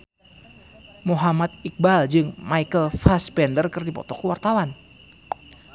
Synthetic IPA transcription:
moɦamat̪̚ik̚bald͡ʒɨŋmaikəlfaspɛndərkɨrdipɔ̰t̪ɔkəwart̪awan

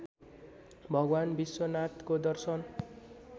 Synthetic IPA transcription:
bʱʌɡwanbiswʌnat̪kod̪ʌrsʌn

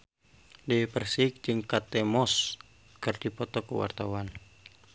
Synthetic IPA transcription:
depərsik̚d͡ʒɨŋkat̪ɛmɔs | kɨrd̥ipɔt̪ɔkəwa̰rt̪awan

